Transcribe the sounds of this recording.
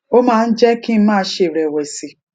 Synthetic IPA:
o˦mãː˦n̩˦d͡ʒɛ˦kĩ˦m̩˦mãː˦ʃe˨ɾɛ˨wɛ˨si˨

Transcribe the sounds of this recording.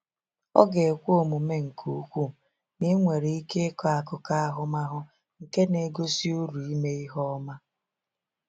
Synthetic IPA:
ɔ̰˦ɡe˨kʷo˦˨mu˨me˦ŋ̩˨kʰu˦kʷu˦ | ni˦ŋʷe˨ɾe˨i˦ke˦kɔ˦a˨kʊ˨ka˦a˦ɦʊ˦ma˦ɦʊ˦ | ŋ̩˨ke˦ne˨ɡo˦si˦u˦ɾu˨i˦me˦i˦ɦɔ˦ma˦

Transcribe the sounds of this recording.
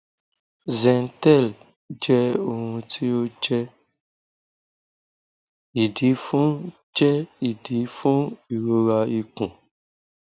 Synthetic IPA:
zɛ̃˨n˦tɛ˦˨l | d͡ʒɛ˦o˧ŋũ˧tʰi˦o˦d͡ʒɛ˦ | i˨di˨˦fũ˦ | d͡ʒɛ˦i˨di˨˦fũ˦i˨ɾo˧ɾa˧i˨kũ˨

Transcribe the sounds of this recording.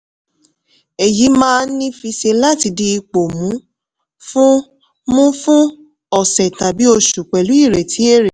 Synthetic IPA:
e˨ji˨˦mãː˦˧n̩˦nĩ˦fi˧ʃe˧la˦ti˧di˧i˧k͡po˨mũ˨˦ | fũ˦ | mũ˦fũ˦ | ɔ˨sɛ˨ta˨bi˨˦o˧ʃu˨k͡pɛ˨lu˨˦i˦˨ɾɛ˨ti˨˦e˦˨ɾe˨

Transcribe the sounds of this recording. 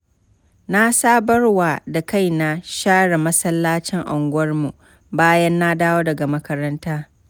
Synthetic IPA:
na˦saː˦bɐ˦rwaː˨da˨ka˦jna˦ʃaː˦ɽa˨mɐ˦sɐ˦lːaː˦t͡ʃɪ˦ŋʔa˨ŋɡʷʊ˦ɐ˦rmu˨ | baː˦jɐ˦nːa˦daː˦woː˦dɐ˨ɡa˨mɐ˦kɐ˦ɾɐ˦ntaː˦

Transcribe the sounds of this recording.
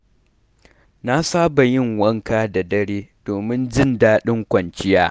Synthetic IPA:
na˦saː˦ba˨jɪ˦ŋwɐ˦ŋkaː˦da˨dɐ˦ɽeː˦d̥oː˨mɪ˦nd͡ʒɪ˦ndaː˦ɗɪ˦ŋkʷɐ˨nt͡ʃɪ˦jaː˦

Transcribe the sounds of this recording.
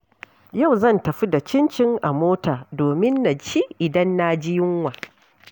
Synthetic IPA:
ja˦˨wzɐ˦˨ntɐ˨ɸi˦da˨t͡ʃɪ˦nt͡ʃɪ˦ŋʔa˨moː˦taː˨doː˨mɪ˦nːa˨t͡ʃiː˦ʔɪ˨dɐ˦nːa˦d͡ʒɪ˦jɪ˦ŋwaː˨

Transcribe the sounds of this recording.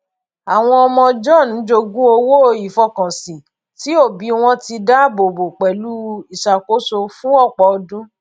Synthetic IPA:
a˨w̃ɔ̃˧ɔ˧mɔ̃˧d͡ʒɔ˦˨ñ̩˨˦d͡ʒo˧ɡũ˦o˧wo˦˧i˨fɔ˧˦kã˨sĩ˨ | ti˨˦o˦˨bi˨˦w̃ɔ̃˧ti˧da˦bo˨bo˨k͡pɛ˨lu˨˦i˦˨ʃa˨ko˨˦so˧fũ˦ɔ˦˨k͡pɔ˨˧dũ˦

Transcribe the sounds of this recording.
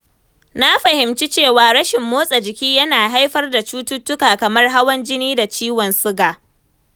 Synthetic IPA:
na˦ɸɐ˨hɪ˨mt͡ʃi˦t͡ʃeː˦˨waː˨ɾɐ˦ʃɪ˨mːoː˦sʼɐ˨d͡ʒɪ˨kʲiː˦jɐ˦naː˨ɦa˦jɸɐ˦rda˨t͡ʃuː˦tʊ˦tːʊ˦kaː˨kɐ˨mɐ˦rɦa˦wɐ˦nd͡ʒɪ˦niː˦da˨t͡ʃiː˦wɔ˨nsʊ˦ɡaː˨

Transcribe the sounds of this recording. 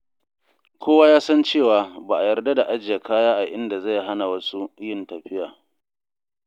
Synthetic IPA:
kʷʰoː˦wa˦jaː˦sɐ˦nt͡ʃeː˦˨waː˨ba˨ʔa˨jɐ˨rda˦da˨ʔa˦d͡ʒɪ˨ja˨kaː˦jaː˦ʔa˨ʔɪ˦nda˨zɐ˦˨jɦa˦na˨wɐ˦su˦jɪ˦˨ntɐ˨ɸɪ˦jaː˨

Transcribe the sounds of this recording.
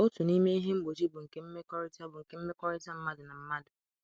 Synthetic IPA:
o˦tʊ˨ni˦me˦i˦ɦe˦m̩˦ɡ͡bo˨t͡ʃi˦bʊ˨ŋ̩˨ke˦m̩˦me˦kɔ˦ɾɪ˦ta˦bʊ˨ŋ̩˨ke˨m̩˦me˦kɔ˦ɾɪ˦ta˦m̩˦ma˦dʊ˨na˨m̩˦ma˦dʊ˨

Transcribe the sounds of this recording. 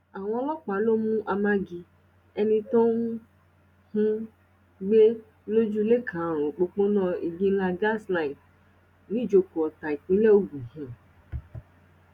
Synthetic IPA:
a˨w̃ɔ̃˧ɔ˧˦lɔ˦k͡pa˨˦lo˦mũ˦ʔa˧mã˦ɡi˧ | ɛ˧nĩ˧tɔ̃˦ŋ˦ | hũ˦ | ɡ͡be˦ | lo˦d͡ʒu˦le˦kʰã˨ɾ̃õ˨k͡po˧k͡po˦nɔ̃˦˨i˨ɡĩ˦la˧ɡa˦˨sla˦i˨t | nĩ˦d͡ʒo˧ko˨ɔ˨ta˨i˨k͡pĩ˦lɛ˦o˦ɡũ˨ɦɛ̃˨

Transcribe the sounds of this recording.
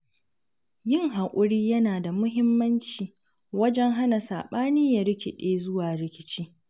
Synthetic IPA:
jɪ˦ŋɦa˨kʷʼʊ˦ɾiː˦jɐ˦naː˨da˨mʊ˦ɦɪ˦mːɐ˦nt͡ʃiː˨ | wɐ˦d͡ʒɛ˦ŋɦa˦na˨sa̰ː˨ɓaː˦niː˦ja˨ɾɪ˦kʲɪ˨ɗeː˦zʊ˦waː˨ɾɪ˦kʲɪ̥˦t͡ʃiː˦

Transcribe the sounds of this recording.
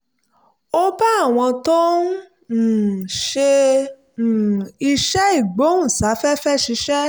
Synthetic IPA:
o˦ba˦a˦˨w̃ɔ̃˧tõ˦˨ | ʃe˧˨ | i˧ʃɛ˦i˦˨ɡ͡bo˨˦ũ˦˨sa˨˦fɛ˦fɛ˦ʃi˧˦ʃɛ˦

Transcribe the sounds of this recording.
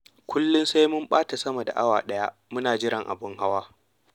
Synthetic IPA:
kʷʊ˦lːʊ˦nsa˦jmʊ˦mɓaː˦ta˨sɐ˦ma˨da̰˨ʔa˦waː˨ɗɐ˦ja˦ | mʊ˦naː˨d͡ʒɪ˦ɾɐ˨ŋʔa̰˨bʊ˦ŋha˦waː˦

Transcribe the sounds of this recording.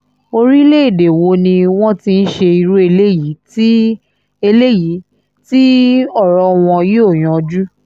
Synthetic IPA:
o˧ɾi˦le˦i˦˨de˨wo˨˦nĩ˧w̃ɔ̃˦ti˦n̩˦ʃe˧i˧ɾu˦e˧le˦ji˨˦ti˦ | e˧le˦˨ji˨˦ | ti˦ɔ˦˨ɾɔ˨˦w̃ɔ̃˧je˦o˦˨j̃ɔ̃˨ɔ˧d͡ʒu˦

